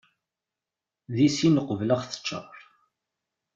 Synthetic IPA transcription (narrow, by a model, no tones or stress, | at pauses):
ðisinəqːəvləʁθə̥t͡ʃːə̰ɾˤ